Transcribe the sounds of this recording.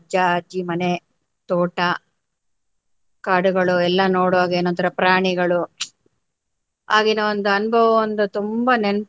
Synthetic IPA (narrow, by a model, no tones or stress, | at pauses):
d͡ʒɐd͡ʒimɐne | t̪oːʈɐ | kaːɽuɡɐɭuɛlːɐnoːɽuʋaːɡeːnont̪ɐɾɐpɾaːɳiɡɐɭu | aːɡinɐond̪uɐnbʱɐʋɐond̪ut̪umbɐnen